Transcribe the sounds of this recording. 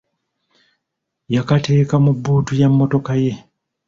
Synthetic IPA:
jakate̞ːkamubːuːtujamːo̞to̞kaje̞

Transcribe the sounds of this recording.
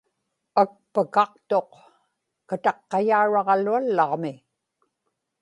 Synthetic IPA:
ak̚pəkɑq̚t̪o̞q | kat̪ɑqːɑjaːɻɑʁɑlualːɑʁmɪ

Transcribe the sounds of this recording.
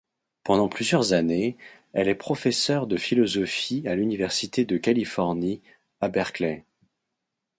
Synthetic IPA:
pɑ̃d̪ɑ̃plyzjœʁzane | ɛlɛpχɔfɛsœʁd̪əfilɔzɔfialynivɛʁsit̪ed̪əkalifɔʁni | abɛʁklɛ

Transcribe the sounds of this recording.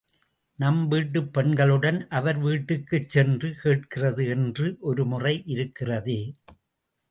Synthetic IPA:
nɐmʋiːʈːɯpːɛɳɡɐɭɯɽɐnʔɐʋɐɾʋiːʈːɯkːɯt͡ʃːɛndrɯkeːʈ̚kɪrɐðɯɛndrɯʔɔɾɯmʊrɐɪʔɪɾɯkːɪrɐðɯː

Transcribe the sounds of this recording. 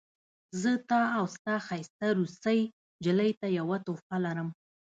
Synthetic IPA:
zət̪ɑawst̪ɑxajst̪aɾust̪əj | d͡ʒɪləjt̪ajawat̪ofalaɾəm

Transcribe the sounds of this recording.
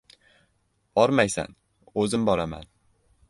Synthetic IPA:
ɒɾmajsa̰n | ɵzɪmbɒɾama̰n

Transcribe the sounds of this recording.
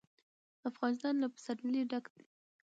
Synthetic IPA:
afɣɑnɪst̪ɑnlapə̥saɾliɖaɡd̪e

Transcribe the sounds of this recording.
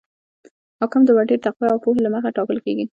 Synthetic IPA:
hɑkɪmd̪əwaʈeɾʈ̪aqwaawpoɦelaməxaʈɑkəlkeɡi

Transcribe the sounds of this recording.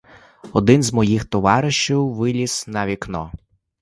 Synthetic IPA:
ɔd̪ɪnzmɔjixt̪ɔʋɑɾɪʃt͡ʃiwʋɪlʲisnɐʋʲiknɔ̰

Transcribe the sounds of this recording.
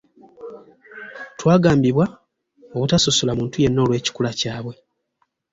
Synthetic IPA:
twaːɡaːmbiβwa | oβutasosolamuːntuje̞nːo̞ːlwe̞ːci̥kulacaːβwe̞

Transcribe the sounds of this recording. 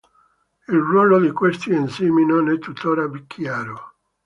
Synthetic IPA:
ilrwɔːlod̪ikwest̪iensiːminonɛt̪ːut̪ʰːoːɾapikʰːjaːɾo

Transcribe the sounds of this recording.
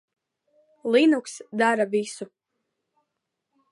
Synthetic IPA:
lˠinuksd̪aɾavisu

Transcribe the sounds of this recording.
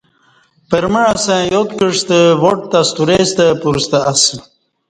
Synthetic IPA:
pəɾməɻasẽjot̪kəʂt̪əwoʈ̚t̪ast̪uɾest̪əpuɾst̪əas

